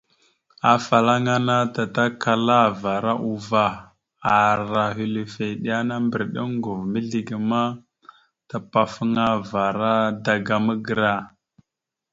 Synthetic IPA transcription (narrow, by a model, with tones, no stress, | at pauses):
a˨fa˨la˦ŋa˦na˦ta˨ta˦ka˨la˦va˨ɾa˦ʔu˨va˨ | a˨ɾa˨ɦi˦˨li˨fe˨ɗi˦ja˦na˦mbə˨ɾɗə˦ŋɡu˨vmi˦ɮi˨ɡə˨ma˦ | ta˨pa˨fə˦ŋa˦va˨ɾa˦da˨ɡa˨mə˦ɡə˨ɾa˦˨